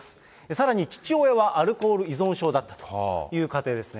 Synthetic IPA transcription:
sɨ̥ | esaɾaɲ̟it͡ɕi̥t͡ɕio̞e̞βaʔaɾɯ̟ko̞ːɾɯ̟izõ̞ɰ̃ɕo̞ːd̪at̪ːḁt̪ojɯ̟ːkat̪e̞ːd̪e̞sɨne

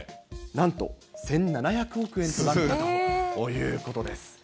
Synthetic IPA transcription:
nãnt̪o̞̰sẽ̞nnanaçakɯ̟o̞kɯ̟ẽ̞nt̪onaːat̪ojɯ̟ːko̞t̪o̞d̪e̞sɨ̥

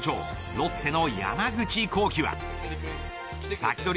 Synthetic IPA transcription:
t͡ɕo̰ː | no̞t̪ʰːe̞no̞ja̰maɡɯ̟t͡ɕiko̞ːkʲiβa̰ | sakʲi̥t̪o̞ɾʲ

